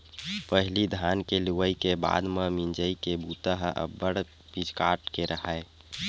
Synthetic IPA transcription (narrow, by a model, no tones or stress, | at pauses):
pəɦɪlid̪ʱankeluʋəikeba̰ːd̪memind͡ʒəikebut̪əɦəʔə̰bːəɽ | pid͡ʒkaʈkeɾəɦae